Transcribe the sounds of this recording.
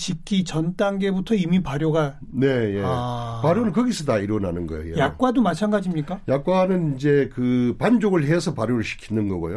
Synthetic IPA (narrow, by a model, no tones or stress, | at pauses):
ɕikʰit͡ɕʌnt͈aŋɡe̞butʰʌimipaɾjoɡa | ne̞jeapaɾjonɯnkʌɡisʰɯdaiɾʌna̰nɯnɡʌ̰jo̰jejak̚k͈wadomat͡ɕʰanɡad͡ʑimɲik͈ajak͈wanɯnind͡ʑe̞kɯpand͡ʑoɡɯɭɦesʰʌpaɾjoɾɯɭɕʰi̥kʰinɯnɡʌɡo̰jo